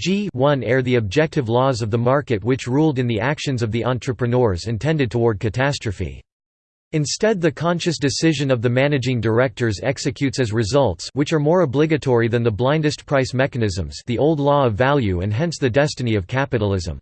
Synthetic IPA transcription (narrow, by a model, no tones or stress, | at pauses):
d̥d͡ʒiwʌ̃nɛɹðiɨb̚d͡ʒɛk̚tɨvlɔzʌvðəmɑɹkɨt̚wɨt͡ʃɹulˠdɨ̃nðiʔækʃɨ̃nzʌvðiʔɑ̃ntɹ̥ɨpɹɨnɔɹzɨ̃ntʰɛ̃ndɨd̚tʰəwɔɹd̚kʰɨtʰæstɹ̥ɨfḭ | ɨ̃nstɛd̪̚ðɨkʰɑ̃nʃɨsd̥ɨsɪʒɨ̃nʌvðɨmænɨd͡ʒɪ̃ŋdə˞ɛk̚tə˞zɛksɨkʰj̥ʉtsɨzɹɨzʌlˠtswɨt͡ʃə˞mɔɹəblɪɡɨtʰɔɹiðɨ̃nðəblãɪ̃ndɨstpʰɹ̥aɪsmɛkɨnɪzə̃mz̥ðiʔoʊlˠdˡlɔʌvælˠjʉɨ̰̃nɦɛ̃nsðɨdɛstɨniʌv̥kʰæpɨɾl̩ˠɪzə̰̃m